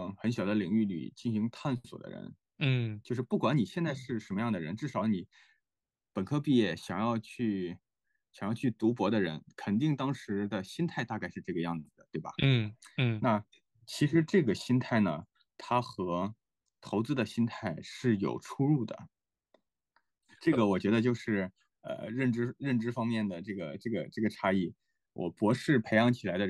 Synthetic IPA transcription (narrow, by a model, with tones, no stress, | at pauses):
xə˧˥nɕjɑ˨˩ʊd̪ə˦li˨˩ŋy˥˩ly̰˨˩t͡ɕi˥˩nɕi˧˥ŋt̪ʰa˥˩nswɔ̰˨˩d̪ə̰˦ɻə̰˧˥n˥˩ | t͡ɕjo˥˧ʊʂ̬ɻ̩˥˧pu˥˩kwa˧˥ni˨˩ɕjɛ˥˧nt͡sa˥˧ɪʂɻ̩˥˩ʂə˧˥nmə˧jɑ˥˩ŋd̪ə˩ɻə˧˥nʈ͡ʂɻ̩˥˩ʂɑ˧˥ʊni˨˩˦ | pə˨˩nkʰɤ˥pi˥˧jɛ˥˩ɕjɑ˨˩ŋjɑ˥˧ʊt͡ɕʰy˥˩ | ɕɑ˨˩ŋjɑ˥˧ʊt͡ɕʰy˥˩t̪u˧˥p̬wɔ˧˥d̪ə˧ɻə̰˧˥nkʰə˨˩nt̪i˥˩ŋt̪ɑ˥ŋʂɻ̩˧˥d̪ə˧ɕi˥nt̪ʰa˥˧ɪt̪a˥˧ka˥˧ɪʂɻ̩˥˧ʈ͡ʂɤ˥˩ɡə˩jɑ˥˩ŋd͡zɹ̩˩d̪ə˩t̪we˥˩ɪbɐ̰˩˥˩na˥˩ | t͡ɕʰi˧˥ʂɻ̩˧˥ʈ͡ʂɤ˥˩ɡə˩ɕi˥nt̪ʰa˥˩ɪnə˩ | t̪ʰa˥xɤ˧˥ | t̪ʰo˧˥ʊt͡sɹ̩˧˥d̪ə˨ɕi˥nt̪ʰa˥˩ɪʂɻ̩˥˩jo̰˨˩ʊʈ͡ʂʰu˥ɻu˥˩d̪ə̰˩ | ʈ͡ʂɤ˥˩ɡə˩wɔ˨˩t͡ɕɥɛ˧˥d̪ə˧t͡ɕjo˥˧ʊʂɻ̩˥˩ | ə̰˧ɻə˥˩nʈ͡ʂɻ̩˥ɻə˥˩nʈ͡ʂɻ̩˥fɑ˥ŋmjɛ˥˩nd̪ə˩ʈ͡ʂɤ˥˩ɡə˩ʈ͡ʂɤ˥˩ɡə˩ʈ͡ʂɤ˥˩ɡə˩ʈ͡ʂʰa˥i˥˩ | wʔɔ̰˨˩pwɔ˧˥ʂɻ̩˥˩pʰe˧˥ɪɑ˧˥ŋt͡ɕʰi˨˩la˧˥ɪd̪ə˧˥